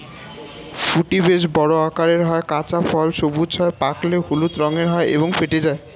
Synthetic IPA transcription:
fuʈibeʃbɔɾoakaɾeɾɦɔekat͡ɕafʰɔlʃobud͡ʑɦɔepakleɦulut̪ɾɔŋeɾɦɔeʔḛboŋfeʈed͡ʑae

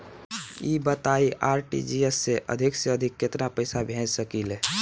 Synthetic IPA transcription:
ibət̪aiʔaːɾʈḭd͡ʒiesːeʔə̰d̪ʱɪkseəd̪ʱɪkːɪt̪napəɪsabʱɛ̃d͡ʒsəkile

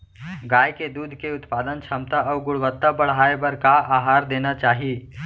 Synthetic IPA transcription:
ɡaːjked̪uːd̪ʱkeʊt̪paːd̪ənt͡ʃʰɐmt̪aɔːɾɡʊɽʋət̪ːabɐɽ̤ɦaːebɐɾkaʔaːɦaːɾd̪eːnat͡ʃaːɦieː

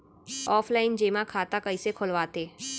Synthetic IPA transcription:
ɔːpʰlaːɪnd͡ʒeːmãkʰaːt̪akəisekʰʊlʋaːt̪eː

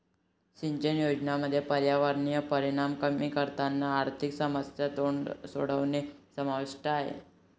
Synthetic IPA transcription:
ɕiɲt͡ɕənjod͡ʑnaməd̪ʱːjepəɾjaʋaɾnijəpəɾiɽ̃amkəmiːkəɾt̪anːaːɾt̪ʰiksəməsjat̪oɳso̰ɽ̤əʋnesəmaʋiʂʈəaɦḛ

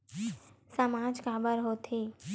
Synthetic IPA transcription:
səmaːd͡ʒkaːbəɾɦoːt̪ʰiː

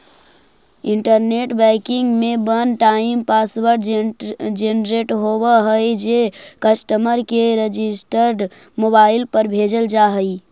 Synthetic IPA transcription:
iɳʈəɾneʈbɛkiŋɡmebənʈaimpaswəɾ | d͡ʒenɾeʈɦobəɦəjd͡ʒekəsʈəməɾkeɾed͡ʒisʈəɾɖ | mobailpəɾbʱed͡ʒəld͡ʒaɦəj

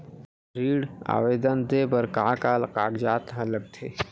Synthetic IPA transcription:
ɾiːɽa̰ːʋeːd̪ənd̪ebəɾkaːkaːlqaːɡd͡ʒaːt̪ɦɐlək̚t̪ʰeː

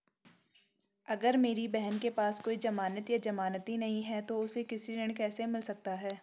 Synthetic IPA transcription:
ɐɡəɾmeːɾibɛɦənkepaːskoːid͡ʒɐmaːnət̪jad͡ʒɐmaːnət̪inɐɦĩɦɛt̪oʊsekɪsiɾɪɳ̃kɛːsemɪlsɐk̚t̪aɦɛː

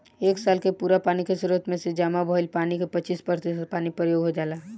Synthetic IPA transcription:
eːksaːlkepuːɾapaːnikesuɾət̪mẽsed͡ʒaːmabɔɪlpaːnikepət͡ʃiːspəɾt̪isət̪̚paːnipɾəjoːɡɦod͡ʒaːlaː

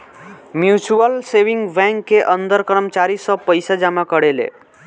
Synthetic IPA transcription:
mjut͡ʃuəlsewiŋɡbɛ̃ŋkːeʔənd̪əɾkəɾəmt͡ʃaɾisʌ̃pəjsad͡ʒamakəɽelḛ

